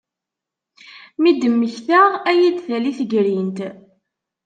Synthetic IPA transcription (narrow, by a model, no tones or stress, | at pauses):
mid̪əmːəçθaʁæjid̪θæliθəɡɾint̪